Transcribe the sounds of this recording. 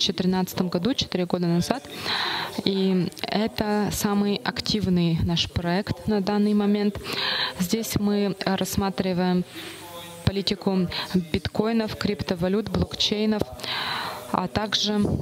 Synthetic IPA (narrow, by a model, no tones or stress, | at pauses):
t͡ɕɪt̪ɪɾʲɪnat̪sə̥t̪əmɡɐd̪ut͡ɕɪ̥t̪ɪɾʲɪɡo̞d̪ənɐzat̪ | iɛt̪əsamɨjɐktʲivnɨjnaʂpɾɐɛkt̪nɐd̪anːɨjmɐmʲent̪zʲdʲesʲmɨɾɐsmat̪ɾʲɪvəjɪm | pɐlʲitʲɪkʊbʲɪt̪ko̞jnəfkɾʲipt̪əvɐlʲut̪blˠokt͡ɕejnəf | ɐ̰t̪aɡʐɨ